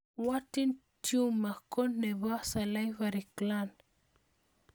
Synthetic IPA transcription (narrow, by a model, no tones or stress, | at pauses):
watintjumakonːeβasalajvaɾiklan